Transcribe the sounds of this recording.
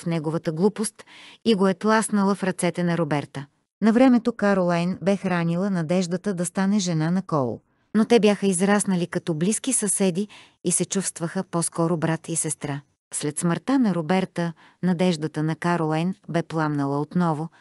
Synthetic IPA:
fnɛɡovət̪əɡlˠupost̪iɡoɛt̪lˠasnəlˠəfɾɐt̪sɛt̪ɛnɐɾobɛɾt̪ə | nɐvɾɛmɛt̪okaɾolˠajnbɛxɾanilˠənɐd̪ɛʒd̪ət̪əd̪ɐst̪anɛʒɛnanɐkɔlˠo̰ | not̪ɛbjaxəizɾasnəlikɐt̪ɔblisk̟isɐsɛd̪ʲiː | sɛt͡ʃufst̪vəxəpɔskɔɾobɾat̪ʰisɛst̪ɾa | slɛt̪sməɾt̪anɐɾobɛɾt̪ə | nɐd̪ɛʒd̪ət̪ənɐkaɾolˠajnbɛplˠamnəlˠəot̪nɔvʊ

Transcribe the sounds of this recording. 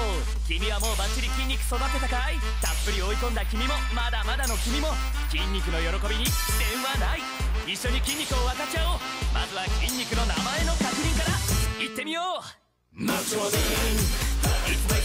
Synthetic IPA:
kʲimʲiβamo̞ːbat͡ɕiɾʲikʲĩɲ̟ʲːikɯ̟̥so̞d̪akot̪akaai | t̪apːɯ̟ɾʲio̞ikõ̞nd̪akʲimʲimo̞mad̪amad̪ano̞kʲimʲimo̞kʲĩɲʲːikɯ̟no̞jo̞ɾo̞ko̞bʲiɲ̟id̪ẽ̞ɰ̃βanai | iɕːo̞ɲ̟ikʲĩɲʲːikɯ̟o̞βakat͡ɕaomazɨβakʲĩɲ̟ʲːikɯ̟no̞namae̞no̞kakɯ̟ɾʲĩŋkaɾait̪ːe̞mʲijoː | masod̪e | i

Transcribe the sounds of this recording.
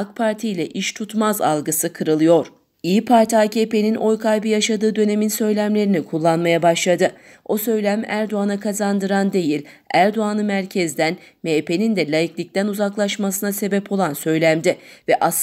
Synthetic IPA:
kpʰaɾt̪ʰijlʲɛʔiʃt̪ʰut̪maza̰lˠɡɯsɯkʰɯɾɯlˠɯjo̞ɾ̥ | ijipʰaɾt̪ʰaːcʰepe̞ninʔo̞jkʰajbijaʃad̪ɯːd̪ø̞ne̞minsø̞jlʲæmlʲe̞ɾinikʰulˠːanmajabaʃlˠad̪ɯ | o̞sø̞jlʲæmæɾd̪o̞anakʰazand̪ɯɾand̪e̞jilʲ | æɾd̪o̞anɯmæɾcʰɛzd̪ænmepʰe̞nind̪ɛlʲajiklʲic̚t̪ænuzaklˠaʃmas̬ɯnase̞bɛpʰo̞lˠansø̞jlʲæmd̪ɛvɛʔas

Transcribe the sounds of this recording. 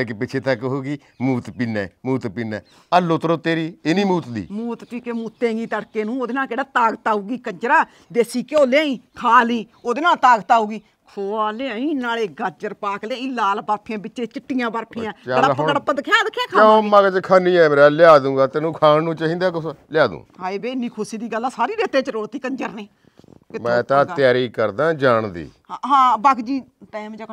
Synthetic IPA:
ekepɪt͡ʃʰeːt̪əkːɦoːɡiː | muːt̪piːnɛ̰ːmuːt̪piːnɛ̰ː | əlːoːt̪ɾoːt̪eːɾiːenĩːmuːt̪d̪ḭːmuːt̪piːkeːmuːt̪ẽːɡiːt̪əɽkeːnũːoːd̪enãːkeːɽaːt̪aːɡət̪aːuːɡiːkəd͡ʒəɾaː | d̪eːsiːkoːlẽːĩːkʰaːliːoːd̪enãːt̪aːɡt̪aːuːɡiː | kʰoːaːleãːĩːnaːleːɡəd͡ʒəɾpaːkleãːĩːlaːlbəɾpʰɪjãːbɪt͡ʃt͡ʃẽːt͡ʃɪʈːijãːbəɾpʰɪ̃ãːaɽaɦəəɽpəd̪kʰjaːd̪əkʰjaːkʰaːãmãːɡəd͡ʒkʰaːnĩːɛːmeɾaːlɪjaːd̪ũːɡaːt̪eːnũːkʰaːnnũːt͡ʃːɦĩːnd̪aːksljaːd̪ṵ̃ːɦaːibeːɪnːiːkʰʊsiːd̪iːɡəlːaːsaːɾiːɾeːt̪eːt͡ʃəɾoːt̪iːkəɲd͡ʒəɾneː | kɪtmɛ̃ːt̪ãːjaːɾiːkəɾd̪ãːd͡ʒaːɳd̪ḭː | aɦãːbakd͡ʒiːt̪ɛ̃ːmd͡ʒa

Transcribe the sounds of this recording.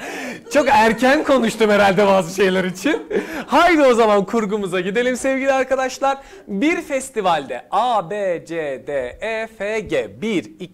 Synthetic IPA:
t͡ʃʰo̞kæɾcʰænkʰo̞nuʃt̪ʰumheɾalʲd̪ɛbaːzɯʃe̞jlʲæɾit͡ʃʰinhajd̪io̞zamankʰuɾɡumuzaɟid̪e̞lʲimsɛvɟilʲiaɾkʰad̪aʃlˠaɾ | biɾfɛst̪ivalʲd̪ɛʔaːbeːd͡ʒed̪eefeɟebiɾi

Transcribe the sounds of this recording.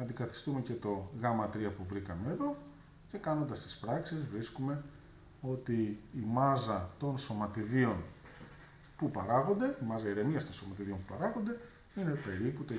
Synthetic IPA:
ɐnd̪ikɐθi̥st̪ume̞ce̞t̪o̞ɣɐmɐt̪ɾiɐpuvɾikɐme̞ːðo̞ | ce̞kɐno̞nd̪ɐst̪i̥spɾɐksizvɾiskume̞ | o̞t̪iːmɐzɐt̪o̞nso̞mɐt̪iðio̞n | pupɐɾɐɣo̞nd̪e̞imɐzɐiɾe̞niɐst̪o̞nso̞mɐt̪iðio̞mpupɐɾɐɣo̞nd̪e̞ | ine̞pe̞ɾiput̪o

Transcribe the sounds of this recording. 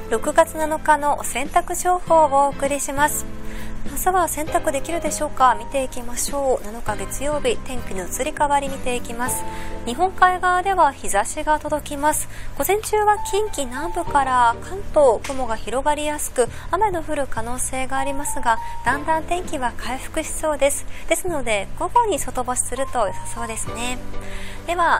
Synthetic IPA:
ɾo̞kɯ̟ɡat͡sɨnano̞kano̞sẽ̞nt̪akɯ̟ʑo̞ːho̞ːoːkɯ̟ɾʲiɕimasɨ̥mazɨβasẽ̞nt̪akɯ̟d̪e̞kʲiɾɯ̟d̪e̞ɕo̞ːkamʲit̪e̞ikʲimaɕo̞ːnano̞kaɡe̞t͡sɨjo̞ːbʲit̪ẽ̞ŋkʲinot͡sɨɾʲikaβaɾʲimʲit̪e̞ikʲimasɨ̥ɲ̟iɦõ̞ŋkaiɡaːd̪e̞βaçizaɕiɡat̪o̞d̪o̞kʲimasɨ̥ɡ̥o̞zẽ̞ɲ̟t͡ɕɨːβakʲĩŋkʲinãmbɯ̟kaɾakʰãnt̪o̞ːkɯ̟mo̞ɡaçiɾo̞ɡaɾʲijasɨ̥kɯ̟ameno̞ɸɯ̟ɾɯ̟kano̞ːse̞ːɡaːɾʲimasɨɡad̪̥ãnd̪ãnt̪ẽŋkʲiβakʰaiɸɯ̥kɯ̟ɕi̥so̞ːd̪e̞sɨ̥d̪̥e̞sɨno̞d̪e̞ɡ̥o̞ɡo̞ɲ̟iso̞t̪o̞boɕi̥sɨɾɯ̟t̪o̞josaso̞ːd̪e̞sɨne̞d̪̥e̞βa

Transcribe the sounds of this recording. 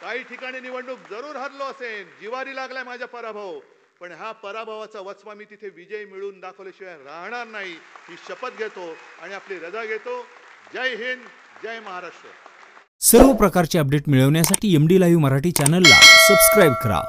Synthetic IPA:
kaɦiːʈʰikaɽ̃iːniʋəɳːuːk̚d͡zəɾuːɾɦaɾloəsed͡ʑiʋaɾiːlaɡlamad͡ʑʱjapəɾabʱaw | pəɳɦjapəɾabʱaʋat͡saʋət͡sʋamiːt̪it̪ʰeʋid͡ʑəjmiɭuːnd̪akʰəʋleɕiʋãɾaɦɳaɾnaɦiɦiːɕəpət̪̚ɡʱet̪oaɽiapliɾəd͡zaɡʱet̪od͡ʑajɦiːn | d͡ʑajməɦaɾaʂʈɾə | səɾʋəpɾəkaɾt͡ɕeəp̚ɖeʈmiɭəʋɳjasaʈʰiːemɖilaɦiʋməɾaʈiːt͡ɕanəlːa̰səbskɾajbkəɾa̰

